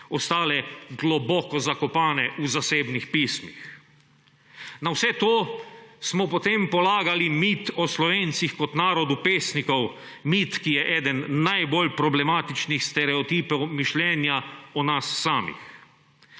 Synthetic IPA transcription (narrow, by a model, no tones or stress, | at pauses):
ɔst̪aːlɛɡlɔbɔːkɔzakɔpaːnɛʔuzaseːbnixpiːsmḭx | nawsɛt̪oːsmɔpɔt̪empɔlaːɡalimit̪ɔslɔʋeːnt̪sixkɔt̪naːɾɔd̪upeːsnikɔw | mit̪kijɛʔɛːd̪ənːajbolpɾɔblɛmaːt̪it͡ʃnixst̪ɛɾɛɔt̪iːpɛwmiʃlɛːnjaɔnasːaːmḭx